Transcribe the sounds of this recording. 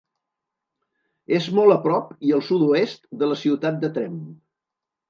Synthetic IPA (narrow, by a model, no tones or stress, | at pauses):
ezmɔlˠəpɾɔpiəlˠsud̪uest̪d̪ələsiwt̪at̪̚d̪ət̪ɾɛm